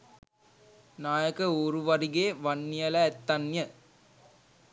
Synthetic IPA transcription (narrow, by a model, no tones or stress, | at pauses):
naːjəkəoːɾuʋɐɾiɡeːʋɐnːijɐlɐɛt̪ːɐnjə